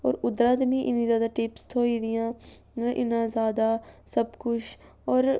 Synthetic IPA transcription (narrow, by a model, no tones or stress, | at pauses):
ɔːɾʊd̪ɾãːd̪mĩːʔɪnĩːzjaːd̪aːʈɪpst̪ʰoːiːd̪ɪjãː | ʔɪ̰nãːzjaːd̪aːsəbkʊt͡ʃʰ | ɔːɾ